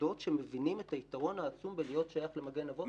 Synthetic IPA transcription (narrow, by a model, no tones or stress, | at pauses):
o̞tʃe̞mevinimet̪ait̪aʁo̞nhaːt͡sumbelijo̞tʃajaχle̞maɡenavo̞